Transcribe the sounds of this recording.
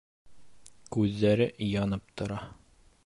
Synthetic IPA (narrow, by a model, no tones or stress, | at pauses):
kʉðːæɾɘʔjɑnɤp̚t̪ŏɾɑ